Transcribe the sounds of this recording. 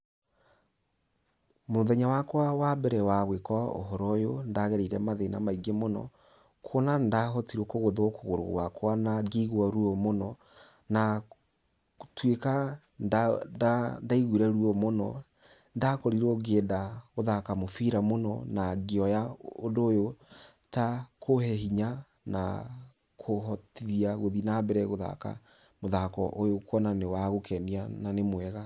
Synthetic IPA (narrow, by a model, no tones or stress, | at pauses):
moðɛɲawakwawabɛɾɛwawekɔo̰ɦɔɾɔjondaɣɛɾeiɾɛmaðenamaiɡemonɔ̰ | kʰonandaɦotiɾokoɣoðokoɣoɾo̰ɣwakwanaɡiɣwaɾuɔmonɔ | na | tweka | dadaiɣuɾɛɾuɔmonɔ̰ | ndakɔɾiɾɔɡeːdaɣoðakamofiɾamonɔnaɡeɔjaondoːjotakʰohɛɦiɲa | na̰ | kʰohɔtiɾiaɣoðinabɛɾɛɣoða̰ka̰ | moðakɔʔojokwɔnanewaɣokʰɛniananemwɛɣa